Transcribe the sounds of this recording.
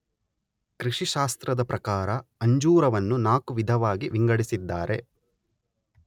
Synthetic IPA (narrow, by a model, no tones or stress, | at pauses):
kɾiʂiʃaːst̪ɾɐd̪ɐpɾɐkaːɾɐɐɲd͡ʒuːɾɐʋɐnːunaːkuʋid̪ʱɐʋaːɡiʋiŋɡɐɽisid̪ːaːɾʔe̞̰